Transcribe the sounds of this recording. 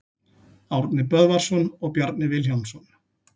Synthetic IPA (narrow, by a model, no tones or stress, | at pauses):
awɾt̪nɪpœðvaɾ̥sɔnɔɣpjaɾt̪nɪvɪljawnsɔn